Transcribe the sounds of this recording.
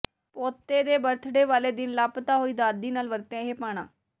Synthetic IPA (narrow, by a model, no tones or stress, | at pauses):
pɔːt̪ːeːd̪eːbəɾt̪ʰɖeːʋaːleːd̪ɪnlaːpt̪aːɦoːiːd̪aːd̪iːnaːlʋəɾt̪eãːɦeːpaːɽ̃ã̰ː